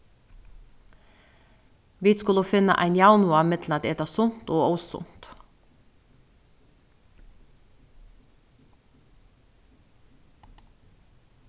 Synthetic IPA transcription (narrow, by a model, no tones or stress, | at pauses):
ʋiːt̪skʉloːfɪnə̰ʔæ̰ɪnjɑːnʊɑmɪt̪l̩ɑt̪̚ːeːt̪ɑːsʊnt̪oːɔːssʊ̰nt̪